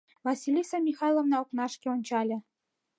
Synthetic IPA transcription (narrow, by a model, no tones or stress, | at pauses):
vɑsʲilʲisɑmʲixɑjlˠovnɑoknɑʃkʲeonʲt͡ɕɑlʲɤ̆